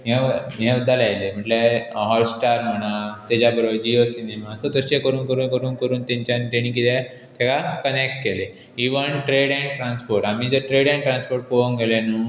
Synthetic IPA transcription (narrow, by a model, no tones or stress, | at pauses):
memɦẽd̪ʱːalajlem̤əʈleɦɔlsʈaɾm̤əɽ̃at̪ɛd͡ʑabəɾod͡ʑiosinemasət̪əɕekəɾuːnkəɾuːnkəɾuːnkəɾuːnt̪ẽɲt͡ɕjant̪eɽ̃ĩk̬it̪ʰɛ | t̪ʰjekakənek̚ʈ̚kele | iʋənʈɾeɽɛ̃ɳʈɾãnspoɾʈam̤id͡zəʈɾeɽɛ̃ɳʈɾãnspoɾʈ̚puʋəŋɡʱelenu